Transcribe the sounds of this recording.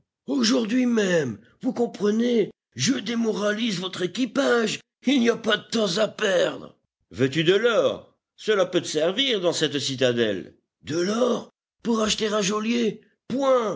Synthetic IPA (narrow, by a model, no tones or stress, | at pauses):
oʒuʁd̪ɥimɛm | vukɔ̃pχəne | ʒəd̪emɔʁalizvɔt̪χekʲipaʒ | ilnijapad̪ət̪ɑ̃zapɛʁd̪ʁə | vøt̪yd̪əlɔːʁ | səlapøt̪əsɛʁviʁd̪ɑ̃sɛt̪sit̪ad̪ɛ̰l | d̪əlɔʁ | puʁaʃt̪eʁɛ̃ʒolje | pwɛ̃